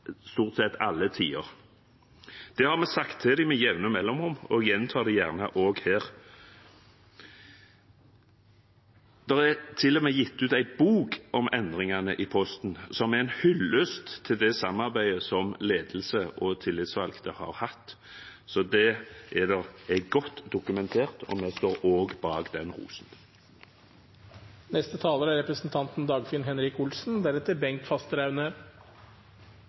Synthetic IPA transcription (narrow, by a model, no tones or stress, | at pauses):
st̪uːʁt̪sɛt̪ːɑlːət̪ʰiːəɾ | d̪̥ɛhɑʁmɛsɑkt̪ʰːɛd̪ɪmɛjɛʋnəmɛlːɔmɔmɔjɛnt̪ʰɑːd̪ɛjæːʁnəʔoːɡheːʁ | d̪̥ɛʁɛɾt̪ʰɪlːɔmɛjɪt̪ːʉːt̪æɪtbuːkɔmʔɛnd̪ʁɪŋɑnəʔɪpʰɔst̪n̩sɔmæʁæɪnhʏlːøst̪t̪ʰːɪld̪ɛsɑmɑʁbæɪəsɔmleːd̪l̩səʔɔt̪ʰɪlːɪt̪sʋɑlɡt̪ʰəhɑ̰ːɾhɑt̪ː | sɔd̪ɛʔɛd̪ɛʁɛɡɔt̪ːd̪ʊkʉmɛnt̪ʰeːʁt̪ɔ̰mɛst̪oːɾoːɡbɑːɡd̪ɛnɾṵːsn̩ | nɛst̪ət̪ʰɑːləɾæɾɛpɾəsnt̪ʰɑnt̪n̩d̪ɑːɡfɪnɦɛnɾɪkʊlsn̩d̪æɾɛt̪ːəɾbɛŋkt̪fɑst̪əɾɑʉnəɾ